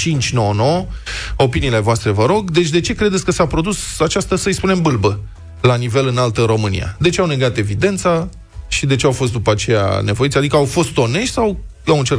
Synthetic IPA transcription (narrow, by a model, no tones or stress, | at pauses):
t͡ʃint͡ʃʲnonoo̞piniːle̞voast̪ɾe̞vəɾo̞ɡd̪e̞t͡ʃʲd̪e̞t͡ʃe̞kɾe̞d̪etsʲkəsapɾo̞d̪usat͡ʃast̪əsəɨjspune̞mbɨlbə | lanive̞lɨnalt̪əɾo̞mɨnḭja̰d̪e̞t͡ʃeawne̞ɡat̪e̞vid̪e̞nt̪sa | ʃid̪e̞t͡ʃe̞awfo̞s̬t̪d̪upat͡ʃe̞ja̰ne̞vo̞jitsʲad̪ikəawfo̞st̪o̞ne̞ʃʲsaw | awɨnt͡ʃeɾ